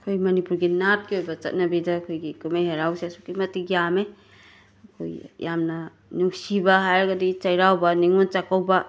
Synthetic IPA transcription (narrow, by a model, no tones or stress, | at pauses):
kʰojmɐnipuɾɡinat̚kiojbɐt͡ʃɐ̰t̚nɐbidakʰojɡikumeɦeɾawseɐsukimɐtːiɡijame | kʰo̰jjamnɐ | nuksibaɦajɾɐɡadit͡ʃajɾawbaniŋont͡ʃakawba